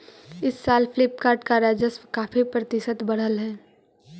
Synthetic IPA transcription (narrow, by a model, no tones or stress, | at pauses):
ɪsːaːlpʰlɪpkaːɾʈkaɾaːd͡ʒəskaːfipɾɐt̪ɪʃət̪bɐɽ̤əlɦɛː